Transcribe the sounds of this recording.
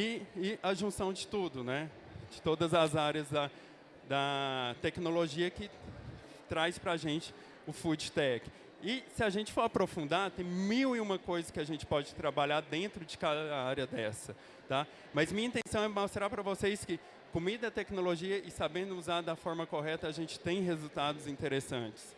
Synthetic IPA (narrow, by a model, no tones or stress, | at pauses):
ɪɪɐʒũsɐ̃w̃d͡ʒɪt̪ud̪ʊnɛ | d͡ʒɪt̪od̪ɐzɐzaɾɐzd̪ɐ | d̪ɐt̪ɛkinoloʒiɐkɪ | t̪ɾajspɾaʒẽt͡ʃɪ̥ | ʊfud͡ʒɪt̪ɛkɪ̥ | ɪsɪaʒẽnt͡ʃɪ̥foɾapɾofũnd̪ad̪t̪ẽj̃miwɪũmɐkojzɐkɪaʒẽnt͡ʃɪ̥pɔd͡ʒɪt̪ɾabaʎaɾd̪ẽnt̪ɾʊd͡ʒɪkad̪ɐaɾjɐd̪ɛsɐ | t̪a | mɐzmĩɲɐĩt̪ẽsɐ̃w̃ɛmost̪ɾapɾɐvoseskɪ | komid̪ɐɐt̪ɛknoloʒiɐʔɪsabẽd̪ʊuzad̪ɐfɔɾmɐkoɦɛt̪ɐːʒẽnt͡ʃɪ̥t̪ẽj̃ɦezut̪ad̪ʊzĩnt̪eɾesɐ̃t͡ʃɪ̥s